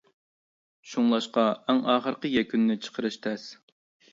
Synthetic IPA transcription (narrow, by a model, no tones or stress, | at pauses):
ʃuŋlˠɑʃqɑɛŋɑːχəɾqəjɛkʲʰynːɪt͡ʃʰə̥qʰəɾɨʃt̪ʰɛs